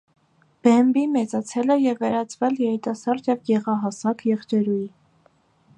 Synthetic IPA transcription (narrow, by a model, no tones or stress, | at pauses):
b̥ɛmbimɛt͡sɑt͡sʰɛlɛjɛvːɛɾɑt͡sʰvɛljɛɾit̪ɑsɑɾd̪jɛvɡɛʁɑɦɑsɑkjɛχt͡ʃɛɾuji